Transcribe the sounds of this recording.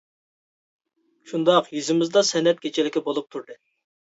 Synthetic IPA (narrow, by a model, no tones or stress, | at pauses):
ʃund̪ɑqjyzɪmɪzd̪ɑsɛnɛt̪̚kʲʰet͡ʃʰɪlɪkʲɪbolˠup̚t̪ʰuɾd̪ɨ